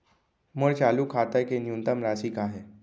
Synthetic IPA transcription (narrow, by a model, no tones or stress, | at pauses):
məɽt͡ɕalukʰat̪ajkenjunt̪əmɾasiːkaɦe